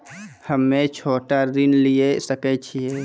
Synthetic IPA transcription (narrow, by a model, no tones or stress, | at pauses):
həmːẽt͡ʃʰoːʈaɾinliesəkɛt͡ʃʰiɛ